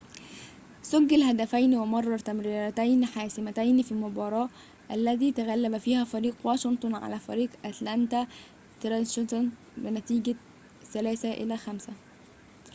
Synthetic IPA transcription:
sʊɡːɪlhæd̪æfæjnwɪmɑrˤːɑt̪æmɾiːɾæt̪æjniħaːsɪmæt̪æjnfilmʊbɑːɾˤɑːʔ | ʔælːæt̪iːt̪æɣælːæbæfiːhæːfæɾiːqwɑːʃɪnt̪ˤʊnʕa̰læːfæ̰ɾiːqʔæt̪lænt̪æ | t̪ɾɑnʃnt̪n | bɪnæt̪iːɡæ | sælæːsæʔɪ̰læxæmsæ

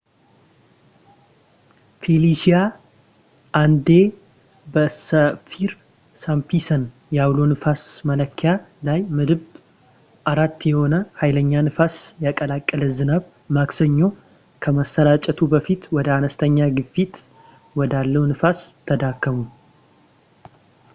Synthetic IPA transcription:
filiʃija | ʔand̪e | bəsəfiɾ | sampisən | jaβlo̞nɨfasmələkʰːjalajmɨd̪ɨβ | ʔaɾat̪ːjɛho̞nəhajləɲːanɨfasjakʼəlakʼːələzɨnaβ | maksəɲːo̞ | kʰəməsəɾat͡ʃʼɛt̪ʰubəfit̪wɔd̪əanəst̪ʰəɲːaɡɨfːit̪ | wɔd̪alːəwnɨfast̪ʰːəd̪akːəmu

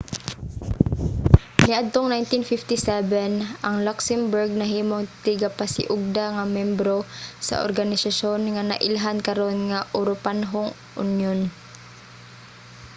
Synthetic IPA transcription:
nɪʔad̪̚t̪oŋnajnt̪ɪnfɪft̪ɪsɛvɛnʔɐŋlaksɛmbʊɹɡ̚nɐɦiːmoŋt̪ɪɡapasɪ̰ʔʊɡ̚d̪aŋɐmjɛmbɾosɐ̰ʔo̰ɾɡanɪsaʃonŋana̰ʔɪlɦankɐɾo̞nŋaʔʊɾʊpanɦoŋ | ʔʊ̰njon

